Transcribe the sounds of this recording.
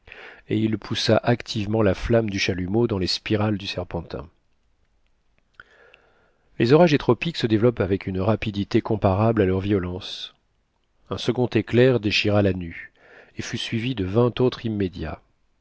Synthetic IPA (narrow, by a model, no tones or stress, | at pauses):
eilpʰusaʔakt̪ʰivmɑ̃laflamd̪yʃalymod̪ɑ̃lespiʁald̪ysɛʁpɑ̃t̪ɛ̰̃ | lezɔʁaʒet̪χɔpiksəd̪evlɔpavɛkʰʲynʁapid̪it̪ekɔ̃paʁablalœʁvjɔlɑ̃s | ɛ̃səɡɔ̃t̪eklɛʁd̪eʃiʁalany | efysɥivid̪əvɛ̃t̪ot̪χimːed̪ja̰